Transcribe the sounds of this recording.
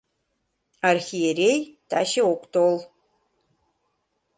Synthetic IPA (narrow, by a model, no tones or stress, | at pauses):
arxijeɾejtʰaʃeokʷʼtʰol